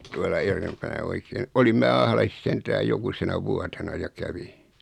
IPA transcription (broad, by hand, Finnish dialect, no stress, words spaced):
tuɑlɑ erempænæ oikeːn olim mæː ɑhlɑsis sentæːj jokusenɑ ʋuɑtenɑ jɑ kæʋi